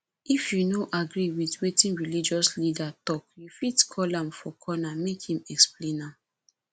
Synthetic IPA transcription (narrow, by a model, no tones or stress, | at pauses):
ifjunoʔaɡɹiwidwetĩnɹilid͡ʒɔslidatɔkjufitkʰɔlãmfɔkʰɔnamekhĩmɛksplẽnãm